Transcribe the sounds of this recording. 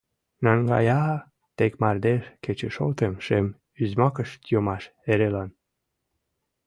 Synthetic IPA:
nɑŋɡɑ̰jɑ | t̪ekmɑrd̪eʃket͡ɕeʃo̰lt̪emʃem | yzmɑkəʃt̪jomɑʃeɾelɑn

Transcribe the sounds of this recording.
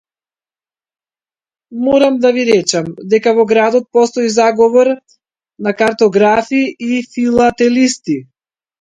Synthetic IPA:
mɔɾamd̪aviɾɛt͡ʃamd̪ɛkavɔɡɾad̪ɔt̪̚pɔst̪ɔizaɡɔvɔɾ | nakaɾt̪ɔɡɾafiifilˠat̪ɛlist̪i

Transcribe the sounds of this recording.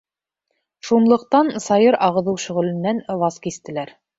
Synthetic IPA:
ʃunlˠɤ̆q̚t̪ɑnsɑjɤɾʔɑʁɤ̆ðɤwʃɵ̆ʁɘ̆lɘ̆nːænvɑskist̪ɘ̆læɾ

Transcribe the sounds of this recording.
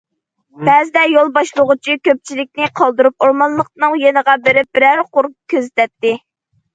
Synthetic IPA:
bɛzɪd̪ɛjolˠbɑʃlˠʊʁʊt͡ʃʰikʲøp̚t͡ʃʰilɪk̚ʲnɪqʰɑlˠd̪uɾup̚oɾmɑnlˠəq̚nɨŋjenəʁɑbɪɾɪp̚b̥ɪɾæɾqʊɾup̚kʲʰøzɪt̪ʰɛt̪ːɪ

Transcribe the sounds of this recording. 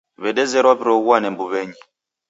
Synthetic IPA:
βɛɗɛzɛɾapiɾɔɣwanɛmbuβɛɲi

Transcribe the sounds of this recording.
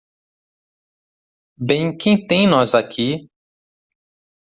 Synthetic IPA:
bẽj̃kẽj̃t̪ẽj̃nɔzakʰi

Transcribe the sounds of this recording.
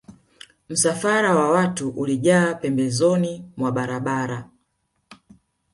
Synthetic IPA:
m̩safaɾawawatuʔuliʄaːpɛmbɛzɔnimwaɓaɾaɓaɾa

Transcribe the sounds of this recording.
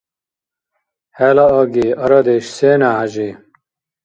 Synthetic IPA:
heːlɐɐɡiɐɾɐd̪eɕseːnaːɐʑi

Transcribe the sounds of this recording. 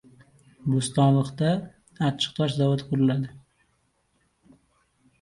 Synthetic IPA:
bʊst̪ɒnlˠɨχt̪aː | t͡ʃʰːɪ̥qt̪ʰɒʃzawat̪qʰʊɾɪlad̪ɪ

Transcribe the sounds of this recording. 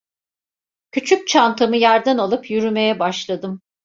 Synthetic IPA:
cʰyt͡ʃʰyc̚t͡ʃʰant̪ʰɯmɯjaɾd̪ɯnalˠɯpʰjyɾyme̞jɛbaʃlˠad̪ɯm

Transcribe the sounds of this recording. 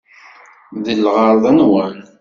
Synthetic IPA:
ðəlːʁəɾˤðˤənwæn

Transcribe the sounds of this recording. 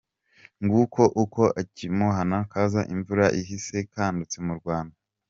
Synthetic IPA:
ŋɡukʰo̞ʔuko̞ʔacimuɦanaŋkaːzaʔiɱvuɾaʔiɦise̞kaːndut͡se̞muɾɡwaːnda

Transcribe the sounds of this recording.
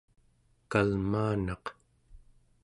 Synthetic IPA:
kalmaːnɑq

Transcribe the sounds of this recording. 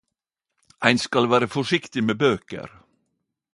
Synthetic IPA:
æɪnskɑlʋæːɾəfɔʃɪkt̪ɪmeːbøːkə̰ɾ

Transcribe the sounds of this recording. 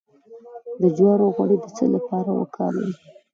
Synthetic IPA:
d̪əd͡ʒwɑɽoɣaɽed̪ət͡sə̰lapɑɾawə̰kʰɑ̰lə̰wi

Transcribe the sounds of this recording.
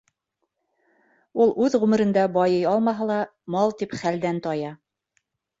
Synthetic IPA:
ulˠʉðʁʉmɘ̆ɾɘ̆nd̪æbɑjɤjɑlˠmɑɦɤlˠɑ | mɑlˠt̪ipχæld̪ænt̪ɑjɑ

